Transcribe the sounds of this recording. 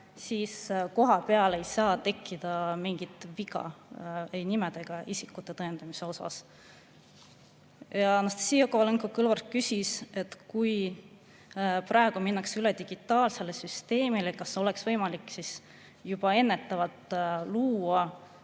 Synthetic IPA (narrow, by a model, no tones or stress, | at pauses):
siːsko̞ɦɑpeɑle̞jsɑːt̪e̞kˑːid̪̥ɑmiŋɡ̥it̪viɡɑ̰e̞jnimed̪̥e̞ɡ̥ɑʔisikːˑut̪ːˑe̞t̪ɤend̪̥ɑmise̞o̞sɑ̰s | jɑnɑst̪ɑ̥siːokoleŋkokɯlvɑrt̪̚kysise̞t̪ːkuj | prɑe̞ɡ̥uminːɑksyled̪̥iɡ̥it̪ːˑɑːlse̞lesyst̪e̞ːmilekɑso̞le̞ksvɤ̞jmɑlikːˑsis | jub̥ɑe̞nːe̞t̪ːˑɑvɑt̪luːɑ